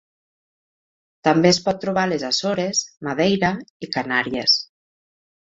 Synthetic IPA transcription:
t̪ambeespɔt̪ːɾuβ̞alezasoɾezmaðejɾaikanaɾies

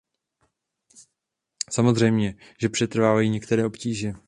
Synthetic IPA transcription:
samo̞zr̝ɛjmɲɛʒɛpr̝̥ɛt̪r̩vaːvajiːɲɛkt̪ɛɾɛːʔo̞pciːʒɛ

